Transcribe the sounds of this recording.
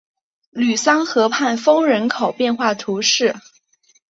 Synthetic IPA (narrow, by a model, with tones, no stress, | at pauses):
ly˨˩sɑ˥ŋxɤ˧˥pʰa˥˩nfɤ˥ŋɻə˧˥nkʰo˨˩ʊpjɛ˥˧nxwa˥˩t̪ʰu˧˥ʂɻ̩˥˩